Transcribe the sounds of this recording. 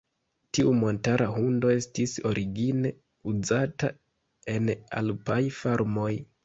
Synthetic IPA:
tiumo̞ntaɾʔaɦundo̞e̞stiso̞ɾiɡine̞ | uzata | e̞na̰lpajfaɾmo̞j

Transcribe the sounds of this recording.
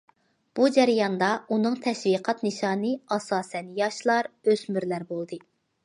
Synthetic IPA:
b̥ud͡ʒɛɾjɑnd̪ɑunɨŋt̪ʰɛʃviqʰɑt̪nɨʃɑːnɨɑsɑːsɛnjɑʃlˠɑɾøzmyɾlæɾbolˠd̪ɨ

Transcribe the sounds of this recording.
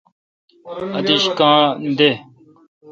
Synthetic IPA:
ɐd̪iɕkãːnd̪e

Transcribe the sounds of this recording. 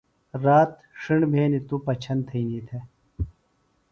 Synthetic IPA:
ɾaːt̪ | ʂiɳɖbʱeːnit̪upɐt͡ɕʰɐnt̪ʰɐinit̪ʰe

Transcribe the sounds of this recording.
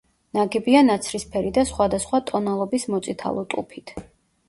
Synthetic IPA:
naɡɛbianat̪sʰɾispʰɛɾid̪asχwad̪asχwat̪ʼɔnalˠɔbismɔt̪sʼit̪ʰa̰lˠɔt̪ʼṵpʰit̪ʰ

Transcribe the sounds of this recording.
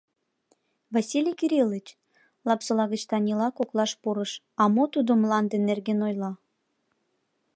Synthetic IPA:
vɑsʲilʲijkiɾʲilːət͡ɕ | lɑpsəlɑɣət͡ɕt̪ɑnʲilɑkoklˠɑʃpuɾəʃ | ɑmot̪ud̪omlɑnd̪enːerɣenojlɑ

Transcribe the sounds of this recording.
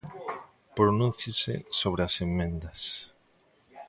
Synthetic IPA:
pɾonũnθjɪsḛsoβ̞ɾeasemːẽnd̪ɐs

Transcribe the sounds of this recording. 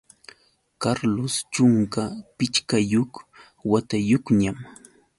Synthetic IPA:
kaɾlost͡ʃʊŋkapɪt͡ʃkajoχ | wat̪ajoχɲam

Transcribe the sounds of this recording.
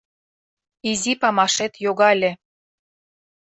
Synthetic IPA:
izipɑmɑʃet̪joɣɑlʲĕ

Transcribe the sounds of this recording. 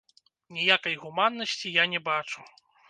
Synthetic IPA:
nʲijakɐjɣumanːɐsʲt͡sʲijanʲɛbat͡ʂu

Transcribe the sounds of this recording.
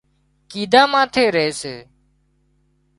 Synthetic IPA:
kiːd̪ʱaːmãːt̪ʰeːɾəɦeːseː

